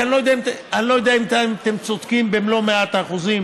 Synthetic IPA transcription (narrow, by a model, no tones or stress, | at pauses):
anlojd̪ɛaimt̪anilo̞jod̪eaimt̪aimat̪emt͡sod̪̥kimbemlo̞meat̪aːχuzim